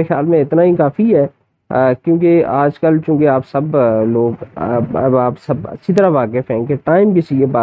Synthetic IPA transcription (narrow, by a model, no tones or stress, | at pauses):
ɾexjaːlmẽɪt̪naɦikaːfiɦɛː | kjũːkeaːd͡ʒkəlt͡ʃũːkeaːpsɐbloːɡ | aːpsɐbɐ̰tːʃʰit̪̬ɐɾaʋaːkɪfɦɛ̃keʈaːɪmkɪsijebaː